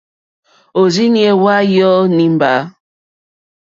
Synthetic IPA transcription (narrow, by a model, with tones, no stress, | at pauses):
o˨zi˦ŋje˨wa˦jɔ˦ni˦m˦ba˨˦